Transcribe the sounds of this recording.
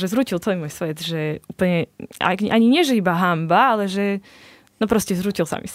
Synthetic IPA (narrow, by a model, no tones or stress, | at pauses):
ʒɛzɾuːcilt̪ɔimuɔjsʋɛd̪ʒɛuːpl̩ɲɛa̰ʔaɲiɲɪɛʒɛibaɦambaalɛʒɛ | nɔpɾɔscɛzɾuːcilsa̰mḭs